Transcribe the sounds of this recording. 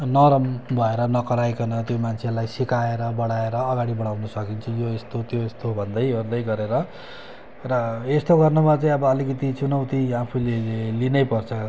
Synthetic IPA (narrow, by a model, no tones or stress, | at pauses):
nʌɾʌmbʱʌeɾʌnʌkʌɾajkʌnʌt̪jomant͡sʰelajsikaeɾʌbʌɽaeɾʌːɡaɽibʌɽawnʌsʌkint͡sʰʌjoest̪ot̪joest̪obʱʌnd̪ʌjord̪ʌjɡʌɾeɾʌ | rʌest̪oɡʌrnumat͡saĩʌbʌːlikʌt̪it͡sunʌwt̪iapʰulelinʌjpʌrt͡sʰʌ